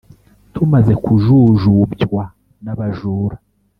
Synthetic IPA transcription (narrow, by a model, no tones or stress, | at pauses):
tumaze̞kuʒuʒubjwa | naβaʒuːɾa